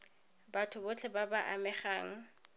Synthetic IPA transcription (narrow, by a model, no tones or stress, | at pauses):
batʰʊbʊt͡ɬʰɛbabaʔa̰mɛχaːŋ̩